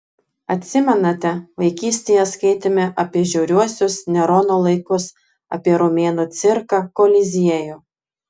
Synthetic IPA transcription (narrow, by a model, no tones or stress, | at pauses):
ɐt̪ʲsʲɪmʲɛnɐt̪ʲɛʋɐɪkʲiːsʲt̪ʲeːjɛskɐɪt̪ʲɪmʲɛʔɐpʲiɛʒʲɛʊɾʲuɔsʲʊsnʲɛɾoːnoːlˠɐɪkʊs | ɐ̰pʲiɛɾomʲeːnoːt̪sʲɪɾkɐkoːlʲɪzʲiɛjʊ